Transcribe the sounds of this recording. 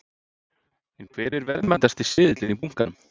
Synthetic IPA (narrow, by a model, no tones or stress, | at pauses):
ɛnkʰvɛːɾɪɾvɛɾðmɛjnt̪ast̪i̥sɪːðɪt̪lɪnipuŋ̥kanʏm